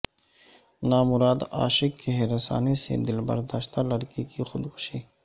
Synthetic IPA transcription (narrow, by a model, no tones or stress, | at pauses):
naːmʊɾaːd̪a̰ːʃɪkːeɦeɾɐsa̰ːnesḛd̪ɪlbɐ̰ɾd̪aːʃt̪alɐɽkikixʊd̪kʰʊ̥ʃiː